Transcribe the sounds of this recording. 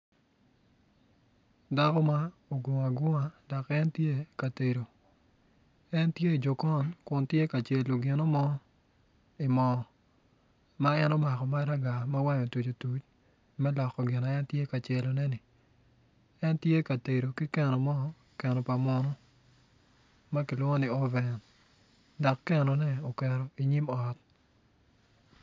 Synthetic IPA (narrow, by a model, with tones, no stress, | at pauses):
da˦kɔ˦ma˦o˨ɡo˨ŋa˨ɡʊ˦ŋa˨da˨kɛ˦ntje˦ka˨te˨ɾo˨ | ɛ˦ntje˦i˨d͡ʒo˨kɔ˦nkʊ˨ntje˦ka˨t͡ʃe˨lo˨ɡɪ˨nɔ˦mɔ˦ | i˨mɔ˨ | ma˦ɛ˦nɔ˦ma˨kɔ˨ma˦ɾa˦ɡa˨ma˦wa˦ɲɔ˨tu˨t͡ʃo˨tu˨t͡ʃ | mɛ˦lɔ˨kːɔ˨ɡɪ˨na˨ɛ˦ntje˦ka˨t͡ʃe˨lo˨nɛ˦nɪ˨ | ɛ˦ntje˦ka˨te˨ɾo˨ki˦kɛ˨nɔ˨mɔ˦ | kɛ˨nɔ˨pa˨mɔ˦nɔ˦ | ma˦kɪ˨lwɔ˦ŋo˦ni˨ɔ˦vɛ˨n | dɔ˨kːɛ˨nɔ˨nɛ˦o˨kɛ˨ɾɔ˨i˨ɲi˦mɔ˨t̚